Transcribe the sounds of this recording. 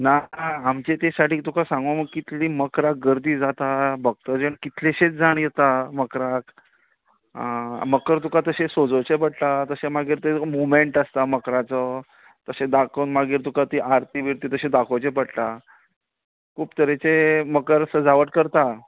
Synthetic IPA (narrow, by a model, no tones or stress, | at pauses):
naamt͡ɕet̪esaʈiːt̪ukasãŋɡoməɡ̚kit̪ʰliːməkɾak̚ɡəɾd̪iːd͡zat̪abəɡ̚t̪əd͡ʑeɳkit̪ʰleɕet͡sd͡zaɳjɛt̪aməkɾak | məkəɾt̪ukat̪əɕesod͡zət͡ɕepəɽt̪at̪əɕemaɡiːɾt̪emomeɳʈəst̪aməkɾat͡sə | t̪əsẽd̪akʰənmaɡiːɾt̪ukat̪iːʔaɾt̪ʰibʱiɾt̪iːt̪əɕẽd̪akʰot͡ɕepəɽt̪a | kʰuːpt̪əɾet͡seməkəɾsəd͡zaʋəʈkəɾt̪a